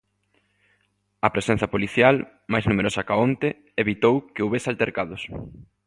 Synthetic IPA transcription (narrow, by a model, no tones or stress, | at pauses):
ɐpɾesɛ̃n̟θɐpoliθjal | majznumeɾosɐkaont̪e | eβit̪owkeuβesalt̪eɾkaðʊs